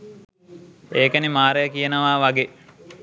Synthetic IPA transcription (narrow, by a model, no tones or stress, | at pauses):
eːkənimaːɾəjəkijənəʋaːʋaɡe